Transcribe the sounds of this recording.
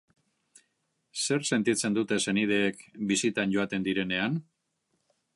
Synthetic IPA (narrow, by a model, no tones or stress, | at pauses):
se̞rse̞nt̪it͡se̞nd̪ut̪e̞se̞nið̞e̞ːkbisit̪anɟo̞at̪e̞nd̪iɾe̞ne̞an